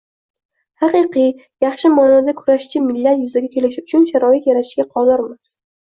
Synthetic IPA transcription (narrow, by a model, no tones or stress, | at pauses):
hɑqɨqʰɨjɑχʃɪmanɒd̪akʰʊɾaʃt͡ʃʰɪmɪlːat̪jʊzaɡʲakʲʰe̞lɪʃɪʊt͡ʃʰʊnʃaɾɒɪt̪jaɾaɪ̥ʃɡʲaqʰɒzɒɾmas